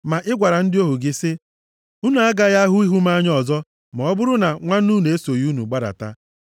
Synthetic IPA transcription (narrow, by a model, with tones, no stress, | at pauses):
ma˨ʔɪ˦ɡʷa˨ɾa˨n̩˦dɪ˦o˦ɦu˨ɡɪ˦sɪ˦ | u˦nu˨a˦ɡa˦ja˦ɦʊ˦i˦ɦu˦m˦a˦ɲ˦ɔ˦˨zɔ˦ | mɔ˨ɔ˦bʊ˦ɾʊ˦na˨ŋʷa˦n̩˦u˦ne˨e˦so˨ju˦nṵ˨ɡ͡ba˦ɾa̰˨ta̰˦